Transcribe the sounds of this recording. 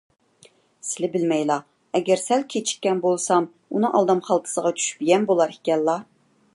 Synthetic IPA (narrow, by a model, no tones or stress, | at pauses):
sɪlɪbɪlmɛjlˠɑ | ɛɡʲɛɾsælkʲʰet͡ʃʰi̥kʲːɛnbolˠsɑm | unɨʔɑ̰lˠd̪ɑmχɑlˠt̪ʰɨ̥səʁɑt͡ʃʰy̥ʃbiɡʲɛnbolˠɑɾikʲɛlːɑ